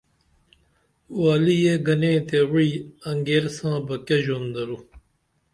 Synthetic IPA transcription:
waːlijeɡɐnẽːt̪ewiːɐŋɡeːɾsãːbɐkeʑond̪ɐɾu

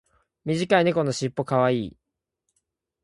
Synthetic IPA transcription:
mʲiʑikaine̞ko̞no̞ɕipːo̞kaβaiː

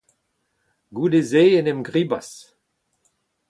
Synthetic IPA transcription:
ɡudezeenɛmɡʁibas

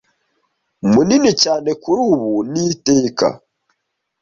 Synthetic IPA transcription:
muninicaːnekuɾuːβuniteːka̰

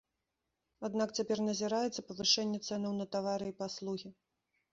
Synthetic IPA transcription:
ad̪nakt͡sʲapʲɛrnɐzʲiɾajɛt̪sːɐpɐvɨʂɛnʲːɛt̪sɛnɐwnɐt̪avaɾɨipaslˠuɣʲi

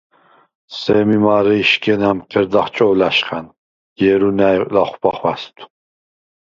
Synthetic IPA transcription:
sɛmimaːɾɨiʃkʰʼɛnæmqʰəɾd̪aχt͡ʃʼɔwlæʃχæn | jɛɾunæjlaχʷpaχwast̪ʰʼu̥

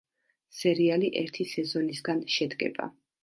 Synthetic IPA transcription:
sɛɾialiʔɛɾt̪ʰisɛzɔnisɡanʃɛd̪ɡɛ̰ba̰

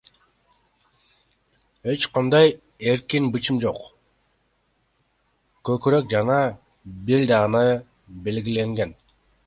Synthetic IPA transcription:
e̞t͡ʃqʰɑnd̪ɑj | e̞ɾkinbɯt͡ʃɯmd͡ʒo̞q | køkyɾøk̚d͡ʒɑnɑ | biɾd̪ɑʁɯnɑ | be̞lɡile̞ŋɡe̞n

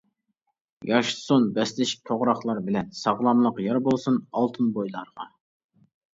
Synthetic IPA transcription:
jʔɑʃsonbɛslɪʃt̪ʰoʁɾɑχlˠɑɾbɪlɛnsɑʁlˠɑmlˠəqjɑɾbolˠsunɑlˠt̪ʰɨnbojlˠɑɾʁɑ

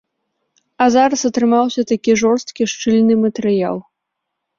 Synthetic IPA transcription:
ɐzaɾɐsɐt̪ɾɨmawsʲɐt̪akʲiʐɔrst̪kʲiʂt͡ʂɨlʲnɨmɐt̪ɛɾɨja̰lˠ

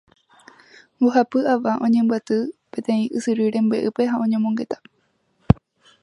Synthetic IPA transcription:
uɦapɨaʋaʔõ̞ɲẽ̞mbɨat̪ɨpe̞t̪ẽ̞ĩʔɨsɨɾiɾe̞mbweʔɨpe̞ɦaõ̞ɲẽ̞mõŋɡe̞t̪ḁ

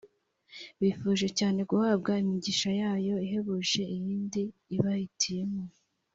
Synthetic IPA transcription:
βifuːʒe̞caːne̞ɡuhaːb̚ɡaimiɟiʃajaːjo̞iɦe̞βuːʒe̞ijiːndiːβahitʰije̞mo

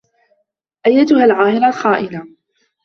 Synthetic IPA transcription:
ʔajːat̪ʊhalʕaːhɪɾˤaxaːʔɪna

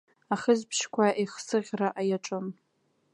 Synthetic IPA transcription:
aχəzpʰʃkʷʰaʔiχsɨʁʲraʔajaʈ͡ʂʼɨm

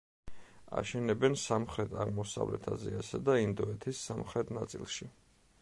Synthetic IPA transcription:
a̰ʃɛnɛbɛnsamχɾɛt̪ʰaʁmɔsa̰vlɛ̰t̪ʰazɛasɛd̪aind̪ɔɛt̪ʰisːamχɾɛt̪ʰnat̪sʼḭlˠʃi

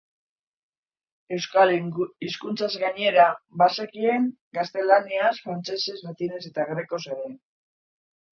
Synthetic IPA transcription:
e̞wsaliskunt͡sazɣaɲe̞ɾabasekie̞ŋ | ɡast̪e̞laniasfɾant͡se̞se̞zmat̪ine̞se̞t̪aɣɾe̞ko̞seɾe

